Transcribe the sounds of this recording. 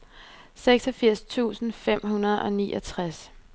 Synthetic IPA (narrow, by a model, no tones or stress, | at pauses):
seɡ̥sɒfiɐ̰st͡sʰṵːsn̩fem̰ɦunɐð̞ˠɒ̽niːʔɒt͡sʰʁas